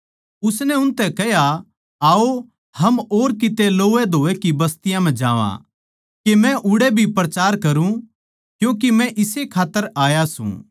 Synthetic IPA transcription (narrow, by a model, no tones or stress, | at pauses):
ʊsnɛʊnt̪ɛkɛja | aːo | hɐmoːɾkɪt̪eloːʋɛd̪ʱoːekibɐst̪ɪjãmɛ̃d͡ʒãːʋã̰ | kemɛ̃ʔʊɽebʱipɾɐt͡ʃaːɾkɐɾũ | kjũːk̬imɛ̃ʔɪsekʰaːt̪ːəɾaːjasṵ̃ː